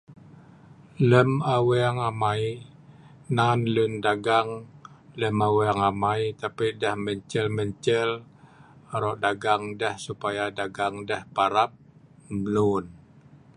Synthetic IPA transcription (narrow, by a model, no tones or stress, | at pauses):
ləmaweaŋamai | nanlundaɡaŋləmaweaŋamait̪apidɛhməɲt͡ʃəlməɲt͡ʃəl | ɾɔʔdaɡaŋdɛhsupajadaɡaŋdɛhpaɾap̚ | mlun